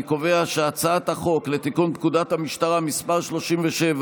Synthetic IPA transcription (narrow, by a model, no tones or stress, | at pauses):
kove̞aʃeat͡saat̪haχo̞kle̞t̪ikunt̚kudat̪hamiʃt̪aʁamispaʁʃlo̞ʃimveʃev